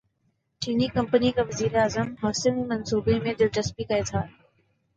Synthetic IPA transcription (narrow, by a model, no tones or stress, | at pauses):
t͡ʃiːnikɐ̃mpənikeʋɐziːɾeaːzəmɦɔːsɪnmɐnsuːbemẽd̪ɪld͡ʑɐsbikɐet̪ʰaː